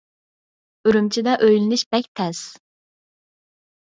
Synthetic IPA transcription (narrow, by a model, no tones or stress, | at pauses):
yɾymt͡ʃʰid̪ɛʔøjlɪnɪʃb̥ɛk̚ʲt̪ʰɛs